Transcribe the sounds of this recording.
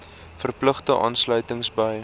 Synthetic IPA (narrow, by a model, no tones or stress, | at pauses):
fərpləχtəʔɑ̰ːnslœɥtəŋsbəj